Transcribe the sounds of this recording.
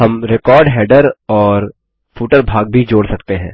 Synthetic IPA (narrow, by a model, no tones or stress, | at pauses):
ɦɐmɾekɔːɾɖɦɛːɖəɾɔːɾ | fuːʈəɾbʱaːɡ̚bʱid͡ʒoːɽsɐkt̪eɦɛ̰̃ː